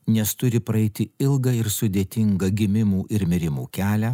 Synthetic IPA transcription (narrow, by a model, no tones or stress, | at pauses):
nʲɛst̪ʊɾʲɪpɾɐɛɪt̪ʲɪɪlˠɡɐɪɾsʊd̪ʲeːt̪ʲɪŋɡɐɡʲɪmʲɪmuːʔɪɾmʲɪɾʲɪmuːkʲæːlʲæː